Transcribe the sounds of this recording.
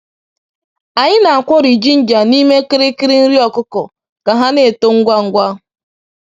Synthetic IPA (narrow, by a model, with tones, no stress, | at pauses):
a˨ɲɪ˦na˨a˨kʷɔ˦ɾi˨d͡ʒi˦n̩˦d͡ʒa˨ni˦me˦kɪ˦ɾɪ˦kɪ˦ɾɪ˦n̩˦ɾi˦ɔ˨kʊ˦kɔ˨ | ka˨ɦa˦ne˦˨to˦ŋ̩˦ɡʷa˦ŋ̩˦ɡʷa˦